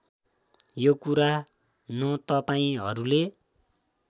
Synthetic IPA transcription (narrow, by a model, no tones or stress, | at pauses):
jokuɾa | nʌt̪ʌpaĩɦʌɾule